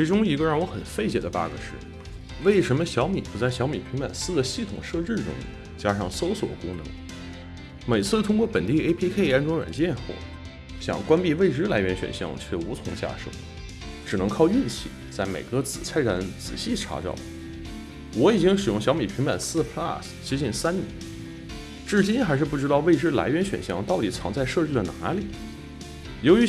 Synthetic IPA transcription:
i˧˥ʈ͡ʂʊ˥ŋi˧˥ɡə˧ɻɑ˥˩ŋwɔ˧˥xə˨˩nfe˥˩ɪt͡ɕjɛ˨˩d̪ə˦pa̰˥ɡə̰˧ʂɻ̩˥˩ | we˥˩ɪʂə˧˥nmə˧ɕjɑ˧˥ʊmi˨˩pu˧˥t͡sa˥˩ɪɕjɑ˧˥ʊmi˨˩pʰi˧˥ŋpa̰˨˩nsɹ̩˥d̪ə˨ɕi˥˩t̪ʰʊ̰˨˩ŋʂɤ˥˧ʈ͡ʂɻ̩˥˩ʈ͡ʂʊ̰˥ŋḭ˨˩ | t͡ɕja˥ʂɑ˥˩ŋso˥ʊswɔ̰˨˩kʊ˥ŋnɤ̰˧˥ŋ | me˨˩ɪt͡sʰɹ̩˥˩t̪ʰʊ˥ŋkwɔ˥˩pə˨˩nt̪i˥˩e˥pʰi˥kʰe˥˩ɪɛ˥˩nʈ͡ʂwʊ˥ŋɥa̰˨˩nt͡ɕjɛ˥˧nxwɔ̰˥˩ | ɕjɑ̰˨˩ŋkwa˥npi˥˧we˥˧ɪʈ͡ʂɻ̩˥la˧˥ɪɥɛ˧˥nɕɥɛ̰˨˩nɕjɑ̰˥˧ŋt͡ɕʰɥɛ˥˩u˧˥t͡sʰʊ˧˥ŋɕja̰˥˧ʂo̰˥˩ʊ | ʈ͡ʂɻ̩˨˩nɤ˧˥ŋkʰɑ˥˧ʊi˥˧nt͡ɕʰḭ˥˩t͡sa˥˩ɪmḛ˨˩ɪkɤ˧˥t͡sɹ̩˨˩t͡sʰa˥ɪʈ͡ʂa˧˥nt͡sɹ̩˨˩ɕi˥˩ʈ͡ʂʰa̰˧˥t͡ɕjɑ̰˥˩ʊlə˩ | wɔ˧˥i˨˩t͡ɕi˥ŋʂɻ̩˨˩jʊ˥˩ŋɕjɑ˧˥ʊmi˨˩pʰi˧˥ŋpa˨˩nsɹ̩˥˧pʰla̰˥˩st͡ɕi˧˥ɕi˧˥˩nsa˥nnjɛ̰˧˥n | ʈ͡ʂɻ̩˥˩t͡ɕi˥nxa˧˥ɪʂɻ̩˥˧p̬u˥˩ʈ͡ʂɻ̩˥ɑ˥˧ʊʋe˥˩ɪʈ͡ʂɻ̩˥˩la̰˧˥ɪɥɛ˧˥nɕɥɛ̰˨˩nɕjɑ˥˧ŋt̪ɑ˥˩ʊt̪i˨˩t͡sʰɑ˧˥ŋt͡sa˥˧ɪʂɤ˥˧ʈ͡ʂɻ̩˥˩lə˩na˧˥li˨˩˦ | jo˧˥ʊy˧˥

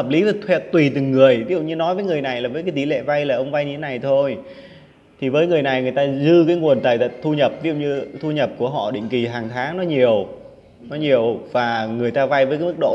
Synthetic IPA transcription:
həː˨˩p̚li˨˦və˨˩t̪ʰwɛ˧˩t̚t̪wi˨˩t̪ɨ˨˩ŋːɨ˨˩əjvi˨˦zṵ˧˨ɲɨ˧nɔ˨˦jvəː˨˦jŋɨ˨˩əjna˨˩jlaː˨˩vəː˨˦jkaː˨˦t̪i˨˦lɛ̰˧˨va˧jlaː˨˩ʔə˧wŋ͡mva˧jɲɨ˧e˨˦na˨˩jt̪ʰo˧j | t̪ʰi˨˩vəː˨˦jŋɨ˨˩əjna˨˩jŋɨ˨˩əjt̪aː˧zɨ˧kaː˨˦jŋu˨˩ənt̪aː˨˩jt̪ə̰˧˨t̪ʰu˧ɲə˨˩p̚viː˨˦zṵ˧˨ɲɨ˧t̪ʰu˧ɲə˨˩p̚ku˧˩əɦɔ̰˧˨ɗḭ˧˨ŋ̟ki˨˩ɦaː˨˩ŋt̪ʰaː˨˦ŋnɔ˨˦ɲi˨˩əw | nɔ˨˦ɲi˨˩əwvaː˨˩ŋɨ˨˩əjt̪aː˧va˧jvəː˨˦jkaː˨˦mɨ˦˥k̚ɗo̰˧˨

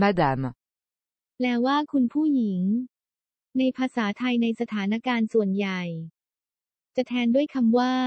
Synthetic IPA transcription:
ma˦˥da˧˩m | lɛː˦˥wwaː˥˩kʰu˧npʰuː˥˩ji˩˦ŋ | na˧jpʰaː˧saː˩˦t̪ʰa˧jna˧jsa˧t̪ʰaː˩˦na˦˥˩kaː˧nsu˨˩ənja˨˩j | t͡ɕa˨˩t̪ʰɛː˧ndu˥˩əjkʰa˧mwaː˥˩

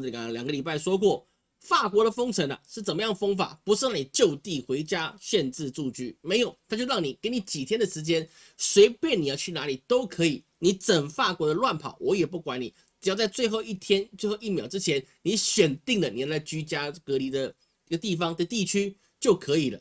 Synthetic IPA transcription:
ljɑ˨˩ŋɡə˧li˨˩p̬a˥˩ɪʂwɔ˥k̬wɔ˥˩ | fa˥˩kwɔ˧˥ɾə˨fɤ˥ŋt͡sʰə˧˥na̰˧ʂɻ̩˥˩t͡sə˨˩mə˦jɑ˥˩ŋəfɤ˥ŋfa̰˨˩˦pu˧˥ʂɻ̩˥˧na˥˩ni˨˩t͡ɕjo˥˧ʊt̪i˥˩xwe˧˥ɪt͡ɕja˥ɕjɛ˥˧nt͡sɻ̩˥˧t͡su˥˧t͡ɕy˥˩me˧˥ɪjo˨˩ʊt̪ʰa˥t͡ɕjo˥˧ʊɻɑ˥˩ŋni˨˩kə˥ni˧˥t͡ɕi˨˩t̪ʰjɛ˥ndə˨ʂɻ̩˧˥t͡ɕjɛ˥n | swe˧˥ɪpjɛ˥˩ni˨jɑ˥˧ʊt͡ɕʰy˥˩na˧˥li˨˩t̪o˥ʊkʰɤ˧˥i˨˩ | ni˧˥t͡sə˨˩nfa˥˩kwɔ˧˥d̪ə˧lwa˥˩npʰɑ̰˨˩˦ʊwʔɔ˧˦jɛ˨˩pu˥˩kwa˧˦ni˨˩ | ʈ͡ʂ̩˨˧˩jʊt͡sa˥˧ɪt͡swe˥˧ɪxo˥˧ʊi˥˩t̪ʰjɛ˥nt͡swe˥˧ɪxo˥˧ʊi˥˩mjɑ˨˩ʊʈ͡ʂɻ̩˦˥t͡ɕʰjɛ˧˥nni˧˥ɕɥɛ˨˩nt̪i˥˩ŋd̪ə˩ni˨˩˥la˥˩ɪt͡ɕy˥t͡ɕja˥kɤ˧˥li˧˥d̪ə˨ | i˥˧˥ə˧t̪i˥˩fɑ˦ŋd̪ə˧t̪i˥˩t͡ɕʰy˥ | t͡ɕjo˥˩ʊkʰɤ˧˥i˨˩lə̰˦

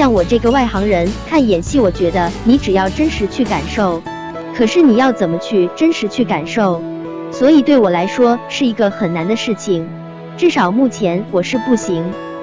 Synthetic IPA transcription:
ɕjɑ˥˩ŋwɔ˨˩ʈ͡ʂɤ˥˩ɡə˩wa˥˩ɪxɑ˧˥ŋɻə˧˥nk̪ʰa˥˩njɛ˨˩nɕi˥˩wɔ˨˩t͡ɕɥɛ˧˥d̪ə˧ni˧˥ʈ͡ʂɻ̩˨˩jɑ˥˩ʊʈ͡ʂə˥nʂɻ̩˧˥t͡ɕʰy˥˩ka˨˩nʂo˥˩ʊ | kʰɤ˨˩ʂɻ̩˥˩ni˨˩jɑ˥˩ʊt͡sə˨˩nmə˦t͡ɕʰy˥˩ʈ͡ʂə˥nʂɻ̩˧˥t͡ɕʰy˥˩ka˨˩nʂo˥˩ʊ | swɔ˧˥i˨˩t̪we˥˩ɪwɔ˨˩la˧˥ɪʂwɔ˥ʂɻ̩˥˩i˧˥ɡə˧xə˨˩nna˧˥nd̪ə˧ʂɻ̩˥˩t͡ɕʰi˨˩ŋ | ʈ͡ʂɻ̩˥˩ʂɑ˨˩ʊmu˥˩t͡ɕʰjɛ˧˥nwɔ˨˩ʂɻ̩˥˧pu˥˩ɕi˧˥ŋ

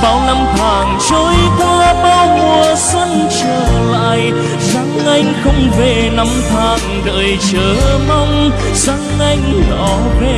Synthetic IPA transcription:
vaː˨˧˩wna˧mt̪ʰaː˨˩ŋt͡ɕoː˨˦jkwaː˧ɓaː˧wmu˨˩əswə˧nt͡ɕəː˨˩ŋla̰ː˧˨j | za˨˦ŋʔa˧jŋ̟xə˧wŋ͡mve˨˩na˧mt̪ʰaː˨˩ŋɗə̰ː˧˨˩jt͡ɕəː˧˩ma˧wŋ͡m | z̥a˨˦ŋʔa˧jŋ̟ɗɔ̰˧˨˩ | ve˧˩

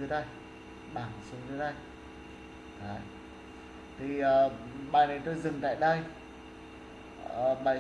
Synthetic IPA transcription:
ɨ˨˦ɗə˧j | ɓaː˨˩n˨˩su˨˦nzɨː˨˧˦ɗə˧j | ka˨˦ | t̪ʰi˨˩əː˨˩ɓa̰ː˧˨jnə˨˩jt̪o˧jzɨ˨˩ŋt̪a̰ː˧˨jɗə˧j | əː˨˩ɓa̰ː˧˨

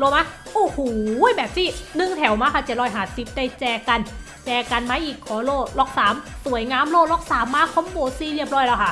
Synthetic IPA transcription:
lo˧˩maː˧˥ | ʔoː˧˩huː˨˩jbɛː˨˩p̚siː˧˥˩nɯ˧˩ŋt̪ʰɛ˨˩˦wmaː˧˥kʰa˧˩t͡ɕe˨˩t̪̚ɾɔː˧˥jɦaː˨˩si˨˦p̚da˧˩jt͡ɕɛː˧˩ka˧n | t͡ɕɛː˧ka˧nmaː˧˥ʔiː˨˩kʰːɔː˨˩˦loː˧˥˩lɔː˧˩k̚saː˨˩˦msu˨˩˦əjŋaː˧˥˨mloː˧˥˩lɔː˧˥˩k̚saː˩˦mːaː˧˥kʰɔ˧˥˦mboː˧˩siː˧ɾi˥˩əp̚ɾɔː˧˥˩jlɛː˧˩kʰa˥˩

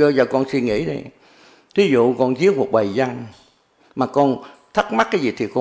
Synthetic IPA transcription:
ə˧zaː˨˩kɔ˧nsi˧nŋḭ˧˥ɗə̰˧˦j | t̪ʰi˨˦zṵ˧˨kɔ˧nzi˦˥əp̚mu˨˩k̚ɓə˨˩jza˧ŋ | maː˨˩kɔ˧nt̪ʰə˦˥k̚ma˦˥t̚kaː˨˦jzi˨˩t̪ʰi˨˩kɔ˧

